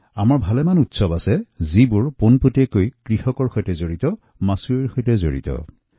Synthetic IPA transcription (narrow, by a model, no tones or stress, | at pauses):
amaɹbʱalɛmanutsɔbasɛzibʊɹponputekojkɹixɔkɔɹxojtɛzoɹitɔ | masuɹiɹxojtɛzo̰ɹḭtɔ̰